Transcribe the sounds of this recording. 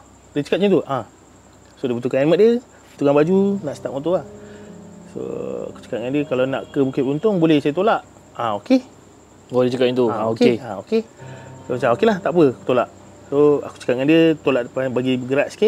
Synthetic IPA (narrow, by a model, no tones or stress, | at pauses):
dət͡ʃə̥kat̪̚ɲut̪uʔa | sodibət̪̬ukananmət̪̚diə | bət̪ukanbad͡ʒunaʔsə̥t̪ap̚ŋot̪uah | so̰a̰ku̥t͡ʃə̥kat̪̚ŋandiəkalana̰ʔkəbukɪt̪̚unt̪ʊŋbolɛhsajət̪olaʔ | aoke | wadit͡ʃəkat̪̚ɲit̪uaokeeaokesomat͡ʃaŋokelaht̪aʔpəaku̥t̪olaʔ | soa̰ku̥t͡ʃə̥kat̪̚ŋandiət̪olaʔpabaɡiɡəɾaʔsi̥kɪʔ